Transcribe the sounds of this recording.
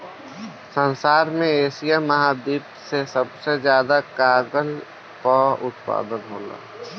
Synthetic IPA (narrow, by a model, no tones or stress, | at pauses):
sənsaːɾmẽeːsijaməɦad̪iːpsesəbsezjaːd̪akaːɡəl | pəʊt̪pa̰ːd̪ənɦo̰ːla̰ː